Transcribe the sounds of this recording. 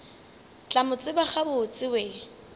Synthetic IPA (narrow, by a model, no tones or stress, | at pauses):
t͡ɬʼamʊt͡sʼɪbaχabʊt͡sʼɪweː